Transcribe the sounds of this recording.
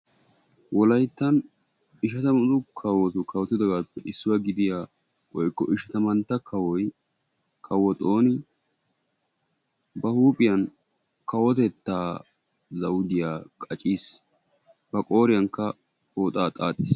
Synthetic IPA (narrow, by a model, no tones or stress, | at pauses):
wʔɔlɐjt̪ːɐn | ɪʃɐt̪ɐmʊzʊkʰɐwːɔt̪ʊkʰɐwɔt̪ːɪd̪ɔɡaːpːɛʔɪsːʊwɐɡɪd̪ɪjaː | wɔjkːɔʔɪʃɐt̪ɐmɐnt̪ːɐkʰɐwɔj | kʰɐwːɔt̪ʼo̞ːnɪ | bɐhuːpʼɪjɐn | kɐwɔt̪ɛt̪ːaː | zɐwd̪ɪjaːkʼɐt͡ʃʼiːs | b̥ɐkʼo̞ːɾɪjɐŋkːɐ | oːt̪ʼaːt̪ʼaːt̪ʼɪːs